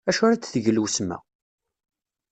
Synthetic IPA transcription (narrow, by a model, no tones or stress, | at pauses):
æʃʊɾæt͡sːθəʝlusmæ̰